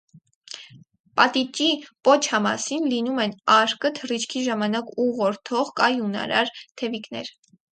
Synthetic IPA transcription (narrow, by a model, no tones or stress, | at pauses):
pɑt̪it͡ʃipɔt͡ʃʰɑmɑ̰sinlinumɛnɑɾkət̪ʰərit͡ʃʰkʰiʒɑmɑnɑkuʁɔɾt̪ʰɔʁkɑjunɑ̰ɾɑ̰ɾt̪ʰɛviknɛ̰ɾ